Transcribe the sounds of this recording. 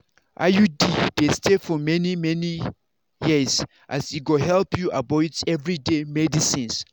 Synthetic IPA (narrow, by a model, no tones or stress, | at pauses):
ʔa̰judidestefɔmɛnimɛni | jiz | ʔa̰siɡoɦɛlpʰjuʔabɔɪdsɛvɹidemɛdisĩns